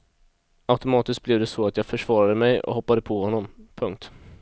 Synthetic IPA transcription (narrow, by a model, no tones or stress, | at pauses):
aʉt̪ʊmɑːt̪ɪsk̚blɪvd̪ɛsɔat̪jɑːɡfœʂvɑːɾad̪əmɛjɔ̰ɦɔpːad̪əpʰɔhɔnːɔmpʰɵŋk̚t̪